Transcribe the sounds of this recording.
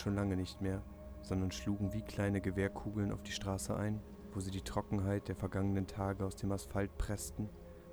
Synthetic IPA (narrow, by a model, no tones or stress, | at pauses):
ʃoːnlaŋənɪçtmeːɐ | z̥ɔndɐnʃluːɡŋ̩viːkʰl̥aɪnəɡəveːɐkʰuːɡl̩nʔa̰ʊfd̥iːʃtʁ̥aːsəʔa̰ɪn | voːziːdiːtʁ̥ɔkŋ̩ɦaɪt̚d̥eːɐfɛɐɡaŋənəntʰaːɡəaʊsd̥eːmasfalt̚pʁ̥ɛstn̩